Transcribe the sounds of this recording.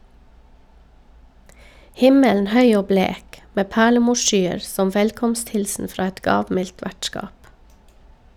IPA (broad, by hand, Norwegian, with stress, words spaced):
ˈhɪməln̩ ˈhœʏ ˈoː ˈbleːk ˈmeː ˈpæːɭəˌmuːʃˌʃyːəɾ ˈsɔm ˈʋɛlkɔmstˌhɪlsn̩ ˈfɾɑː ˈɛt ˈɡɑːʋˌmɪlt ˈʋæʈˌskɑːp